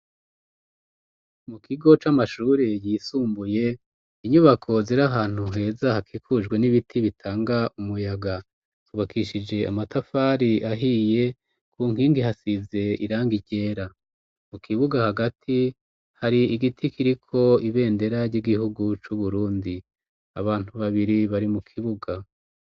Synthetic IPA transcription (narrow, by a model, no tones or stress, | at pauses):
mukʰiɡo̞t͡ʃamaʃuːɾejiːsuːmbuje̞ | iɲuβakʰo̞ziɾaɦaːn̥huŋe̞ːzahakʰiːkʰud͡ʒɡwe̞niβitʰiβitʰaːŋɡaʔumujaɡa | tuβakʰiʃid͡ʒe̞a̰matafaːɾiʔaɦije̞ | kʰuːŋ̥hiːŋɡihasize̞iɾaːŋɡiɟe̞ːɾa | mukiβuɡahaɡatʰi | haɾiiɡitʰikʰiɾikʰo̞iβe̞ːnde̞ɾaɾɟiɡihuɡut͡ʃuβuɾuːndi | a̰βaːn̥uβaβiɾiβaɾimukʰiβuɡa